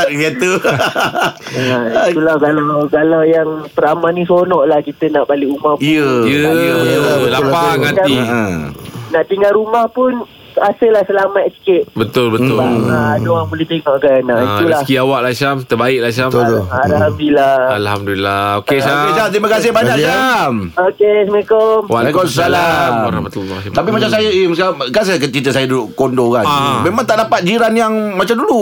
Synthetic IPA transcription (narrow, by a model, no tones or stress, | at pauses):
ɡat̪u | ait̪ulakalakalajaŋpəɾamanĩsonɔʔlahkit̪ənaʔbaliʔumaəjəibəlaaŋanai | naʔt̪iŋalɾumahpʊn | asɪlahsəlamat̪̚si̥kɪt̪̚bət̪ʊlbət̪ʊadoaŋbolɪht̪eŋɔʔkaənaʔit̪ulaskiawaʔlaʃamt̪ərbaɪk̚lahʃamalhamduilaalhamdulilːaokeʃaokeʃamt̪ɾimakas̬ɪhbaɲɲakamokesmkɔmwakossalaɾa̰mat̪ulːɔ̰t̪apimat͡ʃamsajaimskamkansajak̬ət͡ʃit̪əsajaduduʔkondokamemãŋt̪aʔdapat̪̚d͡ʒiɾanjaŋmat͡ʃamdulu